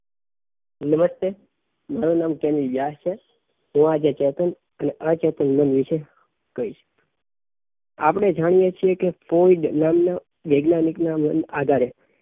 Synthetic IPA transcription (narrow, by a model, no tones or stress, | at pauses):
nəməst̪e | maɾunamkɛnilʋjast͡ʃʰe | ɦũad͡ʒet͡ʃɛt̪ən | əneʔət͡ʃɛt̪ənmənʋiʃe | kəiʃ | a̰pɽ̃ed͡ʒaɽ̃ijet͡ʃʰiekefoiɖnamna | ʋeɡnaniknamnad̪ʱaɾe